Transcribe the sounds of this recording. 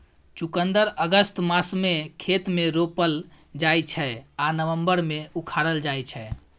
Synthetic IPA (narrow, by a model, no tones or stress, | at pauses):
t͡ʃukənd̪əɾəɡəst̪masmekʰet̪meɾopəl | d͡ʒajt͡ʃʰɛanəʋəmbəɾmeukʰaɾəld͡ʒajt͡ʃʰɛ